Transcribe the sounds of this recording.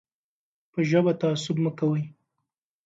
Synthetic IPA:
pəʒəbat̪aːsʊbməkawəj

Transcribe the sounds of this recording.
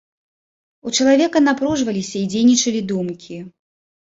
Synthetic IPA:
ut͡ʂɐlˠavʲɛkɐnapɾuʐvɐlʲisʲɐid͡zʲejnʲit͡ʂɐlʲid̪umkʲʰi

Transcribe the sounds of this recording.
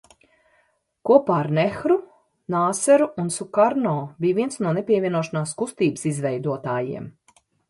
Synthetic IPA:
kuɔpaːɾnɛxɾu | naːsɛɾuːnsukaɾnɔːbijvʲiɛnsnuɔnepʲiɛvʲiɛnuɔʃanaːskust̪iːbsizvɛjd̪uɔt̪aːjḭɛm

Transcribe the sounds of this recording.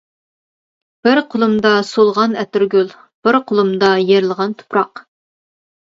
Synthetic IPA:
b̥ɪɾqʰolˠumd̪ɑsolˠʁɑnɛt̪yɾɡʲøl | b̥ɪɾqʰʊlˠumd̪ɑjeɾɪlˠəʁɑnt̪ʰʊ̥pɾɑq

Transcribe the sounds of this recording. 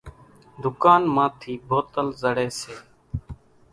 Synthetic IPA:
d̪ʱʊkaːnmãːt̪ʰiːbʱoːt̪əlzəɽeːseː

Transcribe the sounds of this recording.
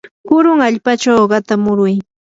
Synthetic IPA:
pʊɾʊŋaʎpat͡ʃawɢɑt̪amʊɾʊj

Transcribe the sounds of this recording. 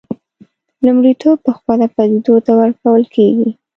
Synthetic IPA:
lumɽit̪ob̚pəxwalapad̪id̪ot̪awəɾkawəlkʰeɡi

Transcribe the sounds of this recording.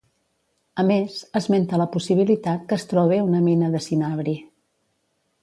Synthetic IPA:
əmezəzment̪ələpusiβ̞ilit̪at̪̚kəst̪ɾɔβ̞eunəminəðəsinaβɾi

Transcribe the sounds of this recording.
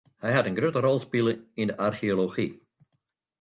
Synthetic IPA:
hɛjɦatənɡrɾøtərɔlˠspɪlˠəindəʔarxioloxi

